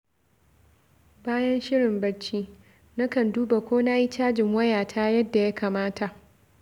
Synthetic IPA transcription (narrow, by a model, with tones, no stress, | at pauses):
baː˦jɐ˦nʃɪ˦ɽɪ˨mbɐ˦t͡ʃiː˦ | na˦kɐ˨nduː˦ba˨kʷoː˦na˦ji˦t͡ʃaː˦d͡ʒɪ˨ŋwɐ˦jaː˨tʰaː˦jɐ˦dːa˨ja˦kaː˨maː˦ta˨ʔ